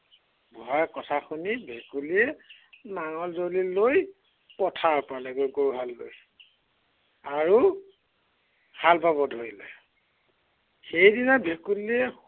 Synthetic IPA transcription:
bɔɦakɔtʰaxʰunibʱekuliɛnaŋɔlzoliloj | pɔtʰaɹpalɛɡoɡoɹuɦalːo̰j | aɹu | halbabɔdʱoilɛ̰ | xejdinabʱekuliɛ

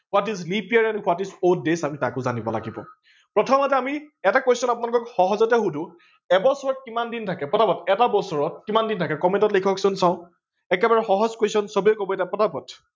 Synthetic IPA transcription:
kʊatislipiaɹanukwatisotdesamita̰kʊzanibɔ̰la̰ɡibɔ̰ | pɹɔtʰɔmatɛamiɛtakejsɔnap̬unalʊkɔkxɔɦɔzɔtɛxudʱʊ | ɛbɔsɔɹɔt̚kimandintʰakɛpɔtapɔtɛtabɔsɔɹɔt̚kimandintʰakɛkɔmɛ̃ntɔtlikʰɔksʊnsãʊ̃ | ɛkɛbaɹɛxɔɦɔzkoesɔnsɔbiɛkɔbɔɛtapɔtapɔt

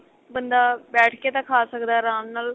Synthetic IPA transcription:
bənd̪aːbɛːʈʰkeːt̪ãːkʰaːsəkd̪aːɾãːmnaːl

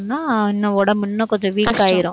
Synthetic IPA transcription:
nːaːɪnːɐ̃ɔɽɐmɪnːɐkɔt̪ɐʋiːkːaːjɪɾʊ̃

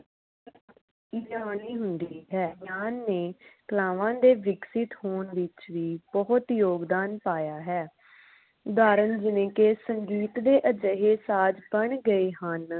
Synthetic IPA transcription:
id͡ʒaːniːɦʊnd̪iːɦɛːjaːnːẽːkəlaːʋãːd̪eːʋɪksɪt̪hoːɳʋɪt͡ʃʋiːbɔɦʊt̪joːɡd̪aːnpaːjaːɦɛː | ʊd̪aːɾənd͡ʒɪnẽːkeːsəɲd͡ʒiːt̪d̪eːʔəd͡ʒəɦeːsaːd͡ʒbəɳɡəeːɦən

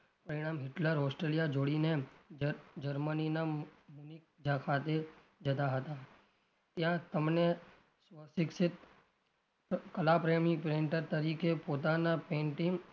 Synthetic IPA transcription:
pəɾɪɽ̃aːmɦɪʈləɾɦɔːsʈɾelijad͡ʒoːɽine | d͡ʒəɾməninamunik̚d͡ʒʱakʰat̪e | d͡ʒəd̪aɦət̪a | t̪jãt̪əmne | sʋəsɪksɪt̪ | kəlapɾemɪ̃ŋpɾẽɳʈəɾt̪əɾikepot̪anapẽɳʈɪ̃ŋ

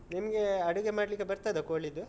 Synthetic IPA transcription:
nimɐɡe̞ɐɽuɡemaːɽlikːebɐɾt̪ad̪ɐkoːɭid̪u

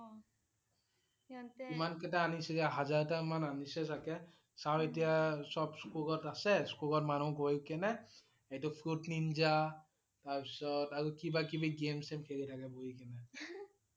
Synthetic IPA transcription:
imankɛtaanisiɡɛɦazaɹtamananisɛtʰakɛ | sawetijasɔbskuɡɔtasɛskuɡɔtmanukoikɛnɛ | etɔpʰɹutnind͡ʒa | taɹpisɔtaɹukibakibiɡemsemkʰeɡitʰakɛboikɛnɛ

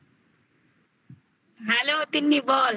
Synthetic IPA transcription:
ɦɛlot̪inːibol

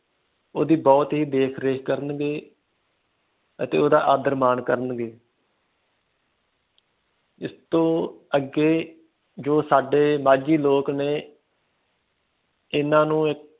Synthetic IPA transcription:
oːd̪iːbɔːt̪ɦiːd̪eːkʰɾeːkʰkəɾənɡeː | ət̪ḛːoːd̪aːʔaːd̪əɾmaːnkəɾənɡeː | ɪst̪õːəɡeː | d͡ʒoːsaːɖeːmaːd͡ʒiːloːkneː | ɪnãːnũːɪk

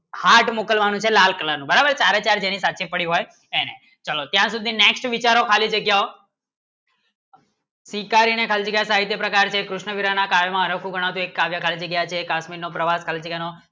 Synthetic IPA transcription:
haʈmokəlʋanũt͡ʃʰelalkəlanũbəɾabəɾt͡ʃaɾet͡ʃaɾd͡ʒenisat͡ʃipəɽiɦoj | ene | t͡ʃəlot̪jãsud̪ʱineksʈʋit͡ʃaɾokʰalid͡ʒəɡjao | sikaɾinekʰəalid͡ʒəɡjasaɦit̪jəpɾəkaɾt͡ʃʰekɾʊʃɳəʋiɾanakajomãəɾəkʰũɡʱəɽ̃aʋt̪ũekːaʋjakʰalid͡ʒəɡjat͡ʃʰekasmiɾnopɾəʋaskʰalid͡ʒəɡjano

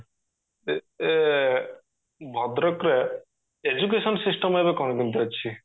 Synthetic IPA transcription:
e | e | bʱɔd̪ɾɔkɾe | ed͡ʒuk̬esɔnsisʈɔmebekɔnkint̪iɔt͡ɕːt͡ʃʰi

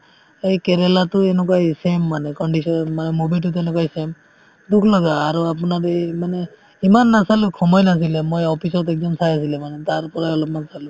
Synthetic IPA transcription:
ejkeɾelatʊenɔkajsemːanɛkɔɳɖisɔnmanɛmobitutenɛkwajsem | dukʰlɔɡaːɹuap̬unaɾejmane | imanːasalukʰɔmɔjnas̬ilɛmojɔpʰisɔtɛk̚zɔmsajas̬ilɛmanɛtaɹpɔɹajɔlɔp̚mansalu

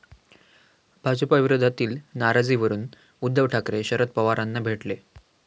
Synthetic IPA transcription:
bʱad͡ʑəpaʋiɾod̪ʱːat̪iːlnaɾad͡ziːʋəɾuːn | ud̪ʱːəʋʈʰakɾeɕəɾət̪̚pəʋaɾanːabʱeʈle

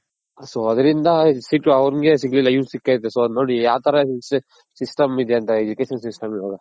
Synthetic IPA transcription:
asoɐd̪ɐɾind̪ɐsiʈɐʋɾɡesiɡlilɐjunsikːat̪̬ːesonoːɽijaːʋt̪ʰɐɾɐ | sisʈɐmid̪eɐnt̪ɐed͡ʒukeːʃɐnsisʈɐmiʋaːɡɐ

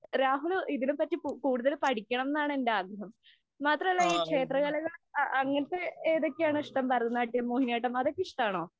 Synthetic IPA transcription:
ɾaːɦuliðinumpɐtːikuːɽuðɐlpɐʈʰikʲːɐɳɐmenːaːɳɨe̞ndeaːɡɾɐɦɐmː | aːt̪rɐmɐlːaiːkʂe̞ːt̪rɐɣɐlɐɣɐɭɐŋːɐnɐt̪ːeeːðo̞kʲːejaːɳɨiʂʈɐmpɐrɐt̪ːunːaːʈːimoːhinjaːjʈːɐmɐðo̞kʲːiʂʈaːɳo̞ː

